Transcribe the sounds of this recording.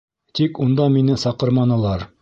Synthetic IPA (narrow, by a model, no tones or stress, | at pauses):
t̪ikund̪ɑminɘsɑqɤ̆ɾmɑnɤ̆lˠɑɾ